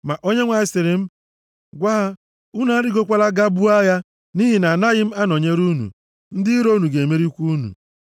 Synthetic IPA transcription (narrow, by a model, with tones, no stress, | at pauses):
ma˨ʔo˦ɲe˦ŋʷa˨ɪ˨sɪ˨ɾɪ˨m̩˦ | ɡʷa˦ɦa˦ | u˦na˦ɾɪ˦ɡo˦kʷa˦la˦ɡa˦bu˦a˦ja˦ | ni˦ɦi˨na˨na˦ɣɪ˦m̩˦a˦nɔ˨ɲe˦ɾu˦nṵ˨ | n̩˦dɪ˦ɾo˦nu˨ɡe˨me˦ɾi˦kʷu˦nṵ˨